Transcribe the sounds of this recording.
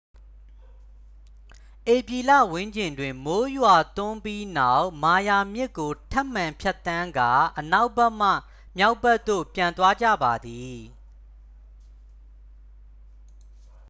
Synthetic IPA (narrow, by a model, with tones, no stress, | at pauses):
ʔe˨pji˨lä̰˦˨wʊ̃˦ɲd͡ʑɪ̃˨ndwɪ̃˨mo˦jwa˨t̪ʊ̃˦mpji˦na˦˨ʊʔma˨ja˨mjɪ˦ʔkːo˨tʰɛ˦ʔm̥ã˨mpʰjɛ˦t̪ːã˦ŋɡa˨ʔəna˦ʊbɛ˦ʔm̥ä̰˦˨ | mja˦ʊbɛ˦ʔt̪ːo̰˦˨pjã˨nt̪wa˦d͡ʑä̰˦˨ba˨d̪i˨